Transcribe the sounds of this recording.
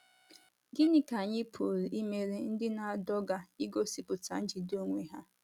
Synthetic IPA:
ɡɪ˦nɪ˦ka˨ɲɪ˦pʰo˨ɾi˨i˦me˨ɾe˦n̩˦dɪ˦na˨a˨dɔ˦ɡa˨i˦ɡo˦si˨pʊ˨ta̰˨n̩˦d͡ʒi˨do˦ŋʷe˨ɦa˦

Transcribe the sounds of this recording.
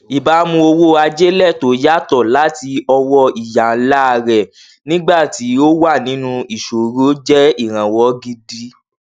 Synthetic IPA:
i˨ba˨˦mũ˧o˧wo˦a˧d͡ʒe˦lɛ˦˨to˨˦ja˦tɔ˦˨la˦ti˧ɔ˧wɔ˧i˨ja˨˦la˦˧ɾɛ˨ | nĩ˦ɡ͡ba˦˨ti˨˦o˦wa˦˨nĩ˨˦nũ˧i˨ʃo˨ɾo˦d͡ʒɛ˦i˦˨ɾ̃ã˨wɔ˨˦ɡi˧di˦

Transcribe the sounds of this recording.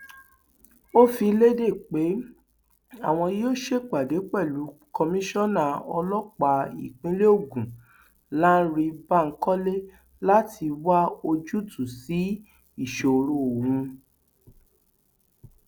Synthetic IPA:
o˦fi˧le˦de˦˨k͡pe˨˦ | a˦˨w̃ɔ̃˧jo˦˨ʃe˦k͡pa˨de˨˦k͡pɛ˦˨lu˨˦kɔ˧mĩ˦ʃɔ̃˦˨nã˦˨ɔ˧lɔ˦k͡pa˧i˨k͡pĩ˦le˦o˦˨ɡũ˨ | lã˦ɾi˧ba˦˨ŋ̩˦kɔ˦le˦ | la˦tʰi˧wa˦o˧d͡ʒu˦tʰu˦˨si˨˦ | i˦˨ʃo˨˧ɾo˦˨wũ˧

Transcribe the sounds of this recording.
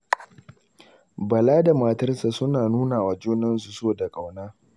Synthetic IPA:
bɐ˨laː˦da˨maː˨tɐ˦rsa˨sʊ˦naː˨nuː˦naː˨waː˦d͡ʒoː˦nɐ˦ns̬u˨soː˦˨da˨kʼa˨wnaː˦

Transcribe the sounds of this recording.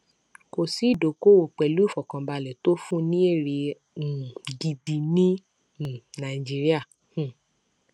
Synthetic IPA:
ko˧˨si˦i˦˨do˨ko˦wo˨k͡pɛ˨lu˦i˦˨fɔ˨kã˧ba˧lɛ˨to˦fũ˦nĩ˦e˦˨ɾẽ˧˨ | ɡi˨di˨˧nĩ˦˨ | nã˨i˨d͡ʒi˦ɾi˦ã˦˨˦

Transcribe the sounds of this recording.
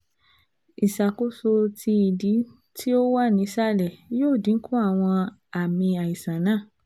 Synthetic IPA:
i˨ʃa˨ko˨˦so˧tʰi˧i˨di˨˦ | tʰi˦o˦wa˦˨nĩ˨˦sa˦˨lɛ˨joː˦˨dĩ˨˦ŋ̩˦kʰu˦a˦˨w̃ɔ̃˧ | a˨mĩ˧a˨i˨sã˨nãː˦˨

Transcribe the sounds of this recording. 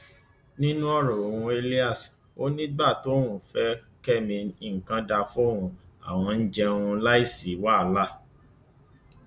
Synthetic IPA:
nĩ˦nũ˦ɔ˦˨ɾɔ˨ɾũ˧˦e˧li˦a˦˨s | o˦nĩ˦ɡ͡ba˦˨to˨˦ũ˨fɛ˦ | kɛ˦mĩ˧ĩ˨ŋ̩˨kã˦da˧fũ˦ɾũ˧a̰˨w̃ɔ̃˧n̩˦d͡ʒɛ˧ũ˧la˦i˦˨si˨˦wa˦˨˦la˦

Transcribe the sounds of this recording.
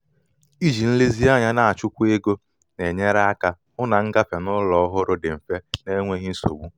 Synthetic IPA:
i˦d͡ʒi˨n̩˦li˦zi˦a˦ɲa˦na˨a˨t͡ʃʊ˦kʷu˦e˦ɡo˦ | ne˨ɲe˦ɾa˦a˦ka˦ | ʊ˦na˨ŋ̩˦ɡa˦pe˨nʊ˦lɔ˦ɦʊ˦ɾʊ˦dɪ˨m̩˨fe˦ne˦ŋʷe˦ɣi˦n̩˦so̰˨ɡ͡bu˦

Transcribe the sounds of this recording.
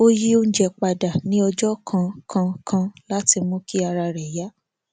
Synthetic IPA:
o˦ji˦o˧ñ̩˦d͡ʒɛ˨k͡pa˨da˨nĩ˨˦ɔ˧d͡ʒɔ˦kʰã˧kʰã˧kʰã˧la˦ti˧mũ˦ki˦a˧ɾa˧ɾɛ˨ja˨˦

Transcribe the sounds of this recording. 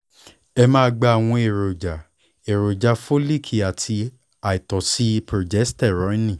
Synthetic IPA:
ɛ˧mãː˦˧ɡ͡ba˧a˨w̃ɔ̃˧e˨ɾo˨d͡ʒa˨ | e˨ɾo˨d͡ʒa˧fo˦li˦˨kʰi˨a˨tʰi˧ | a˨i˨tɔ˨si˦pɾo˨d͡ʒɛ˨˦stɛ˦˨ɾɔ̃˨˦nĩ˦˨

